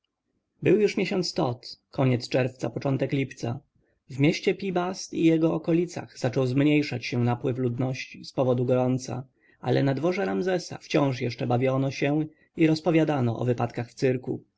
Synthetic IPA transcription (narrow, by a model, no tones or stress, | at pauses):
bɘwjuʂmʲjeɕɔnt̪st̪ɔt̪kʰɔɲɛt̪st͡ʂɛɾft̪sapɔt͡ʂɔnt̪ɛklʲipt̪sa̰ | vmʲjɛɕt͡ɕɛpʲibast̪ijɛɡɔɔkɔlʲit̪sa̰ɣz̥at͡ʂɔwzmɲejʂat͡ɕɕɛnapwɘvlud̪nɔɕt͡ɕispɔvɔd̪uɡɔɾɔnt̪sa̰ | a̰lɛnad̪vɔʐɛɾamzɛsa̰ft͡ɕɔ̃w̃ʂ̬jɛʂt͡ʂɛbavʲjɔnɔɕɛ | iɾɔspɔvʲjad̪anɔʔɔ̰vɘpat̪kaxft̪sɘɾkṵ